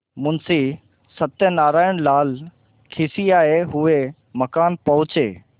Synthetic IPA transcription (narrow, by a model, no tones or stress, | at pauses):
mʊnsi | sɐt̪jənaːɾaːɪɽ̃laːl | kʰɪːsiaːeɦʊe | mɐkaːnpɐɦʊt͡ɕḛː